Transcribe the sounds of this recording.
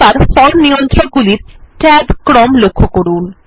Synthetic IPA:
aɾfɔlnijont̪ɾoɡuliɾʈɛbkɾɔmlokʰːokoɾun

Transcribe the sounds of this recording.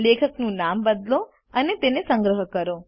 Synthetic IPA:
lekʰəknũnambəd̪lo | ənet̪enesəŋɡɾəɦəkəɾo

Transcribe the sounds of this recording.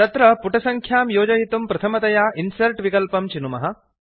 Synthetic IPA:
t̪ɐt̪ɾɐpuʈɐsɐŋkʰjaːmjoːd͡ʒɐjit̪umpɾɐt̪ʰɐmɐt̪ɐjaːʔinsɐɾʈʋikɐlpɐmt͡ʃinumɐɦɐ

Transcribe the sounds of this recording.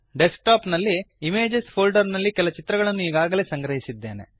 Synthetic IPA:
ɖesk̚ʈaːpnɐlːiːmeːd͡ʒespʰoːlɖɐɾnɐlːikɛlɐt͡ʃit̪ɾɐɡɐɭɐnːuiːɡaːɡɐleːsɐŋɡɾɐɦisid̪ːe̞̰ːne̞̰

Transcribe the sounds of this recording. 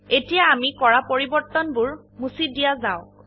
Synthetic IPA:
etijaːmikɔɹapoɹibɔɹt̪ɔnbʊɹ | musidijazaʊk

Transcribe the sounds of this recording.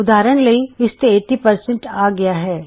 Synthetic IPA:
ʊd̪aːɾəñlɐiɪst̪eeːʈːipɐɾsẽɳʈaːɡɐjaɦɛː

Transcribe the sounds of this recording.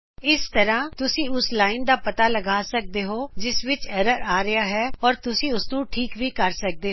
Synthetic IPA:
ɪst̪əɾãːt̪ʊsĩːʊslaːɪnd̪aːpət̪aːləɡaːsək̚d̪eːɦoːd͡ʒɪsʋɪt͡ʃɛɾəɾaːɾɪaːɦɛːɔːɾt̪ʊsĩːʊsnũːʈʰiːkʋiːkəɾsək̚d̪eːɦo

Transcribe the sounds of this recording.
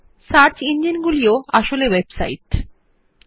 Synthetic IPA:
saɾt͡ɕind͡ʑinɡulioaʃolewebsa̰iʈ

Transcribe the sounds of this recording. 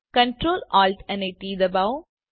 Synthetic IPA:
kɐ̃ɳʈɾoːlɔːlʈɛnɐʈiːd̪ɐbaʊ

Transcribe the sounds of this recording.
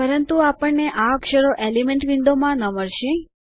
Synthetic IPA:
pəɾənt̪uapəɳneʔaəkʃəɾoʔelimeɳʈʋɪɳɖ̪omãnəməɭʃe

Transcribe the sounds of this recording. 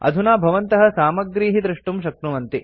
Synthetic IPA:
ɐ̰d̪ʱunaːbʱɐʋɐnt̪ɐɦɐ̆saːmɐɡɾiːɦid̪ɾiʂʈumʃɐk̚t̪ɾumɐnt̪i

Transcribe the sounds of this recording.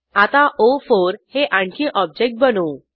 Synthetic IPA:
at̪ãʔofoɾheʔãɳkʰĩʔɔb̚d͡ʑek̚ʈ̚bənu

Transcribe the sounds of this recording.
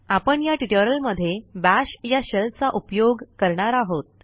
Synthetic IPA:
apəɳjaʈiʈəɾəlməd̪ʱːjebæɕjaɕəlt͡saʔupjoɡkəɾɳaɾaɦot̪̚

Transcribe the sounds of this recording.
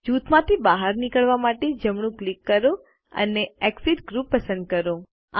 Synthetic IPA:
d͡ʒut̪mãt̪ʰibaɦaɾnikəɭʋamaʈed͡ʒəmɳ̃ũklikːəɾõ | ə̰neɛksiɖɡɾupːəsə̃nd̪̚kəɾõ | a

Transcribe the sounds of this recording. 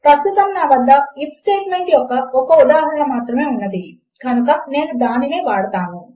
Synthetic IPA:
t̪ɐtːusɐmnaːʋɐd̪ːɐipsʈeːʈmeɳʈjɔkːɐɔkɐud̪aːɦɐɾɐɳɐmaːt̪ɾɐmeːunːɐd̪i | kɐnukɐne̞ːnud̪aːnineːʋaːɽɐt̪aːnu

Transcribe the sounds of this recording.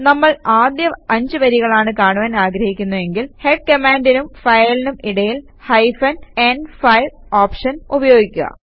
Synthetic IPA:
nɐmːɐɭaːd̪jɐɐɲd͡ʑɨʋɐɾiɣɐɭaːɳɨkaːɳuʋaːnaːɡɾɐhikʲːunːue̞ŋɡilheʈ̚kɐmaːndinumfɐjɐɭinumiɽɐjil | hɐjfɐnenfɐjloːpʂɐnubɐjo̞ːɡikʲːuɣɐ̰

